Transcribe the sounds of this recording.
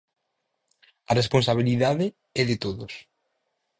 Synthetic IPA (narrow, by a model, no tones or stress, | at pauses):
ɐresponsaβ̞iliðaðɪ | ɛðɪt̪oðʊs